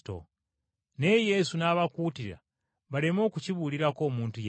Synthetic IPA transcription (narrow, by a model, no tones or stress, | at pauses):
to̰ | nejesunaβakutiɾa̰ | βale̞mo̞kuciβuliɾako̞ːmuːntuj